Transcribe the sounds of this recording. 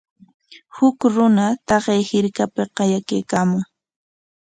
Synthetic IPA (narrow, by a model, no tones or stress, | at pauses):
hʊkɾʊnat̪ɑɢejhɪɾkapɪqɑjakejkaːmʊŋ